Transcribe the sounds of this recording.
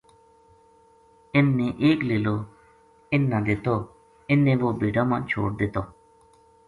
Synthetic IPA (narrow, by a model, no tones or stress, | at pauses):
ɪnːẽːʔeːkleːloː | ɪnːãːd̪ɪt̪oː | ɪnːẽːʋoːbeːɖaːmãːt͡ʃʰo̰ːɽd̪ɪt̪oː